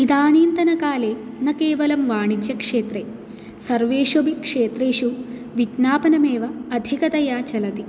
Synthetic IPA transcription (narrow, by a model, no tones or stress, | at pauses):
id̪aːniːnt̪ɐnɐkaːleː | nɐkeːʋɐlɐmʋaːɳit͡ʃjɐkʂeːt̪ɾeː | sɐɾʋeːʂobikʂeːt̪ɾeːʂu | ʋiʈnaːpɐnɐmeːʋɐːd̪ʱikɐt̪ɐjaːt͡ʃɐlɐt̪i